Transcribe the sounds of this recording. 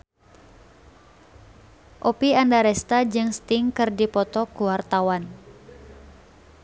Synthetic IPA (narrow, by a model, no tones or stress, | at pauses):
ʔopiandaɾɛst̪ad͡ʒɨŋst̪iŋkɨrdipɔt̪ɔkuwart̪awan